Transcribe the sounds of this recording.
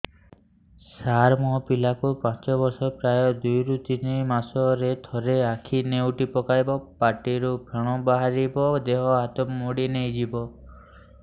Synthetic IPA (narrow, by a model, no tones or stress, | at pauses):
saɾmɔpilakupãt͡ʃɔbɔɾsɔpɾajɔd̪ujɾut̪inimasɔɾet̪ʰɔɾeakʰinewʈipɔkajbɔpaɾʈiɾupʰeɽ̃ɔbaɦaɾibɔd̪eɦɔat̪ɔmːoɽinejd͡ʒibɔ